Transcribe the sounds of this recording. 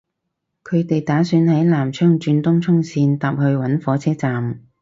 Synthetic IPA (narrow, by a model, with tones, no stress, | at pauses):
kʰɵ˨˧ɥt̪e˨jt̪aː˨˥syː˧nhɐ˨˥jlaː˨˩mt͡ʃʰœː˥ŋt͡ʃyː˧nt̪ʊ˥ŋt͡sʰʊ˥ŋsiː˧nt̪aː˨p̚hɵ˧ɥwɐ˨˥nfɔː˨˧˥t͡sʰɛː˥t͡saː˨m